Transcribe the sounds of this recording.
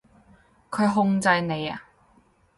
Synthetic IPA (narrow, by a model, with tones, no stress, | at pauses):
kʰɵ˨˧ɥɦʊ˧ŋt͡sɐ˧jne˨˧jɐ̰˨